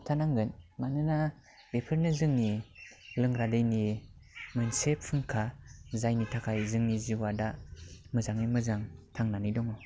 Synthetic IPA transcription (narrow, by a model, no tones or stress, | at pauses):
tʰanaŋɡɯnmanɯna | bepʰɯɾnɯzɯŋnilɯŋɾadɯjnimɯnsepʰːɯŋkʰazajnitʰakʰajzɯŋniziwadamɯzaŋɯjmɯzaŋtʰaŋnanidɔŋɔ